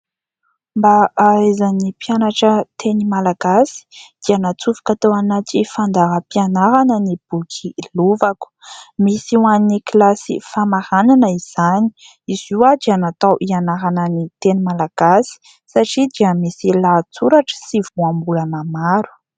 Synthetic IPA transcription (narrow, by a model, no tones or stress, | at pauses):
mbaazanipianaʈ͡ʂət̪ʰenimalaɡ̥asi̥d̪̥ianat͡sufu̥kat̪oanat̪ifand̪aɦəpianaɾanənib̥ukʰiluvaku̥misiwaniniklasḭfamahananəiz̥ani̥ | iz̥iwad̪ianat̪awʔianaɾanənit̪enimalaɡ̥asi̥ | saʈ͡ʂid̪iəmisilat͡suɾaʈ͡ʂə̥siv̥uambuləmamaɾu̥